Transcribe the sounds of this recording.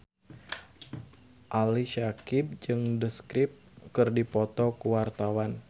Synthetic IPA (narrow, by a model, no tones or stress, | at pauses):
ʔaliʃakɪp̚d͡ʒɨŋdəskɾɪp̚ | kɨrdipɔt̪ɔkəwart̪awan